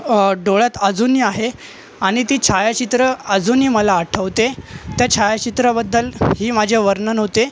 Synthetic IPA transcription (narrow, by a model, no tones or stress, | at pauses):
ɖoɭjat̪ad͡zuniaɦe | aɽ̃it̪iːt͡ɕʰajat͡ɕit̪ɾəad͡zuniːməlaːʈʰəʋt̪et̪jat͡ɕʰajat͡ɕit̪ɾəbəd̪ːəlɦiːmad͡ʑʱjaʋəɾnənɦot̪e